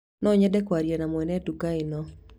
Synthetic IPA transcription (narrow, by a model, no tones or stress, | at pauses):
nɔɲɛdɛkwaɾjɛnamwɛnɛdukainɔ